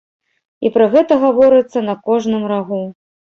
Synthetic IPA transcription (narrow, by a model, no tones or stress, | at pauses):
ipɾɐɣɛt̪ɐɣavɔɾɨt̪sːɐnɐkɔʐnɨmraɣu